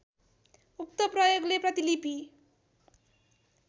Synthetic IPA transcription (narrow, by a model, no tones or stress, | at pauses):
uk̚t̪ʌprʌjoɡleprʌt̪ilipi